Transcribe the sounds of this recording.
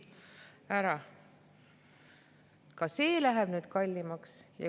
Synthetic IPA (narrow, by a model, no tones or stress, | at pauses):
æɾɑ | kɑse̞ːlæɦɛb̥nyːd̪̥kɑlʲːimɑksjɑ̰